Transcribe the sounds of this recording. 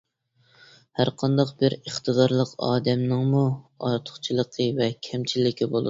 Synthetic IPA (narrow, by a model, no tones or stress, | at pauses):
hæɾqʰɑnd̪ɑqbɪɾəχt̪ɨd̪ɑɾlˠəqɑ̰ːd̪ɛmnɨŋmuɑ̰ɾt̪ʰʊ̥χt͡ʃʰilˠəqʰəvɛkʲʰɛmt͡ʃʰilːɪkʲʰibo̰lˠɨ̰